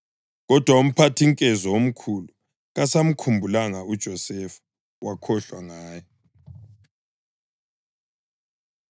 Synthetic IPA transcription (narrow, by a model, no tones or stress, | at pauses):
ɣɔd̥ʱwaum̩pʰatʰiŋkʼɛzɔom̩kʰulu | ɣasam̩kʰumbʱulaŋaud̥ʒ̥ʱɔsɛfḁ | wakʰɔɬwaŋaːjɔ